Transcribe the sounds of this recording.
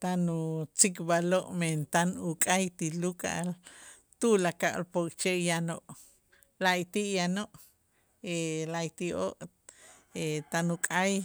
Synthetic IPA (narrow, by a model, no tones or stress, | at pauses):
t̪anut͡sikbaloʔment̪anukʼajt̪iluka̰ʔal | t̪ulakaʔlpokt͡ʃeʔjanoʔ | laʔit̪iʔjanoʔ | elait̪iʔoʔ | et̪anukʼaj